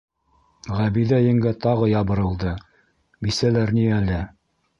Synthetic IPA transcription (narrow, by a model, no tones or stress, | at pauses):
ʁæβiðæjɘ̆ŋɡæt̪ɑʁɤjɑβɤ̆ɾɤ̆lˠd̪ɤ | bisælæɾniælɘ